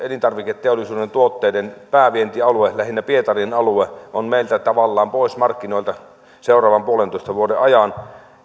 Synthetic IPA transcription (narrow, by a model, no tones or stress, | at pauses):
elint̪ɑrʋiket̪teolˑisuːdent̪uot̪ːeːdenpæːʋient̪iɑluelæhinːæpiet̪ɑrienɑlueʔonmeˑilt̪æt̪ɑʋɑlːɑːmpoˑismɑrkːinoˑilt̪ɑ | seˑorɑːʋɑmpuolent̪oˑist̪ɑʋuodeʔɑjɑn